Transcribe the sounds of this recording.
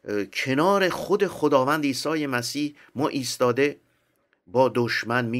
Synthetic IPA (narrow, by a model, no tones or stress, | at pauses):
kʰe̞nɒːɾe̞χod̪e̞χod̪ɒːvænd̪iːsɒːjemæsiːh | mɒːʔiːst̪ɒːd̪e̞ | bɒːd̪oʃmænmi